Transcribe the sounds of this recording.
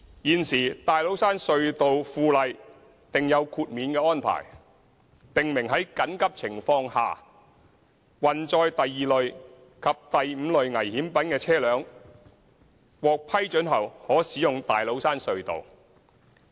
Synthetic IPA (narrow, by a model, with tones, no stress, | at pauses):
jiː˨˩nsiː˨˩t̪aː˨jlo˨˥wsaː˥nsɵ˧ɥt̪o˨wfuː˧lɐ˨j | t̪ɪ˨ŋjɐ˨˧wkʰuː˧t̚miː˨˧nkɛː˧ɔː˥npʰa̰ː˨˩j | t̪ɪ˨ŋmɪ˨˩ŋɦɐ˨˥jkɐ˨˥nkɐ˥p̚t͡sʰɪ˨˩ŋfɔː˧ŋha̰ː˨ | wɐ˨nt͡sɔː˧jt̪ɐ˨jːiː˨lɵ˨ɥ | kʰɐ˨p̚t̪ɐ˨jm̩ː˨˧lɵ˨ɥŋɐ˨˩jhiː˨˥mpɐ˨˥nkɛː˧t͡sʰɛː˥lœː˨˥ŋ | wɔː˨k̚pʰɐ˥jt͡ʃɵ˨˥nɦɐ˨˩whɔː˨˥siː˨˥jʊ˨ŋt̪aː˨jlo˨˥wsaː˥nsɵ˧ɥt̪o̰˨w